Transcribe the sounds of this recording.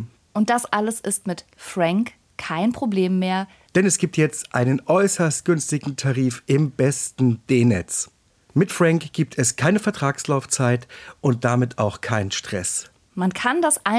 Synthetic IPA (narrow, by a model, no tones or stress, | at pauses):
ʔʊnt̚d̥asʔaləsʔɪstmɪtfʁ̥aŋkʰː | aɪnpʁ̥obleːmːeːɐ | d̥ɛnɛsɡ̥iːp̚tjɛt͡stʔa̰ɪnənʔɔʏsɐst̚ɡ̥ʏnstɪɡŋ̩tʰaʁiːfʔɪmb̥ɛstn̩d̥eːnɛ̰t͡s | mɪtfʁ̥aŋkɡ̥iːp̚tʰɛskʰaɪnəfɛɐtʁ̥aːkslaʊft͡saɪtʔʊnt̚d̥amɪtʰa̰ʊxkʰaɪnənʃtʁ̥ɛ̰s | mankʰandasʔa